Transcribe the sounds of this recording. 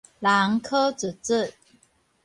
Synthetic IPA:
la˨˧˦ŋkʰɤ˥t͡s̩˨˩t͡s̩˥˩˨

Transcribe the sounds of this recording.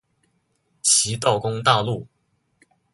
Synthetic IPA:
t͡ɕʰi˧˥t̪ɑ˥˩ʊkʊ˥ŋt̪a˥˧lu˥˩

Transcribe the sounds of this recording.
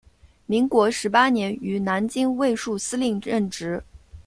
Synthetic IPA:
mi˧˥ŋkwɔ˧˥ʂɻ̩˧˥pa˥njɛ˧˥ny˧˥na˧˥nt͡ɕi˥ŋwe˥˧ɪʂu˥˩sɹ̩˥li˥˧ŋɻə˥˩nʈ͡ʂɻ̩˧˥

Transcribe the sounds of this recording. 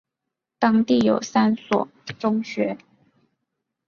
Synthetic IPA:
t̪ɑ˥ŋt̪i˥˩jo˨˩ʊsa˥nswɔ̰˨˩ʈ͡ʂʊ˥ŋɕɥɛ˧˥

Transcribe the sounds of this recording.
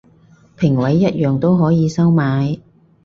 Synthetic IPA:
pʰɪ˨˩ŋwɐ˨˥jːɐ˦˥t̚jœː˨˩ŋt̪o˥wɦɔː˨˥jiː˨˧sɐ˥wmaː˨˥j

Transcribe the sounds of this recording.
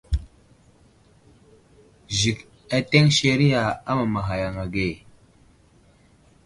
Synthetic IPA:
ʒi˨k | a˦te˦ŋʃe˨ɾi˦ja˨a˦ma˨ma˨ɦa˨ja˨ŋa˨ɡe˦˨

